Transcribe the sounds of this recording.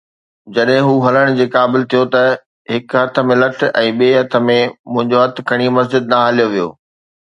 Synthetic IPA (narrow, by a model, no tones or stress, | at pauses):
d͡ʑɐɗɦɪ̃ɦuːɦɐləɽ̃d͡ʑeːkaːbɪlt̪ʰijot̪ɐ | ɦɪkɦɐt̪ʰə̆mẽlɐʈ̆ʰɛ̃ːɓeːɦɐt̪ʰə̆mẽmʊ̃ɦɪ̃ɲd͡ʑoɦɐt̪̆ʰkʰɐɽ̃imɐs̬d͡ʑɪd̪̚nɐɦɐlijoʋijo̰ː